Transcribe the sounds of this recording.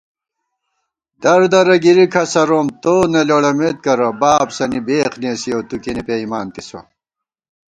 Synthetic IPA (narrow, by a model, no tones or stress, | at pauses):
d̪̥ɐɾd̪ɐɾɐɡiɾikʰɐsɐɾoːmt̪oːneloɽɐmet̪̚kɐɾɐbaːbsɐnibeːxnesijowt̪ukinipeimaːnt̪iso̰